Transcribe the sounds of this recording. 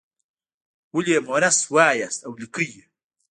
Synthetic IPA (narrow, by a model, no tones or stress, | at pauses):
wulemonaswaːjasɐwlikɨjə